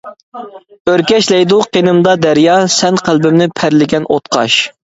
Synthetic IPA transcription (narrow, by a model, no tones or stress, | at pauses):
øɾkʲɛʃlɛjd̪uqʰenɨmd̪ɑd̪æɾjɑsɛnqʰælˠbɪmnɪpʰæɾlɪɡʲɛnot̪qʰɑ̰ʃ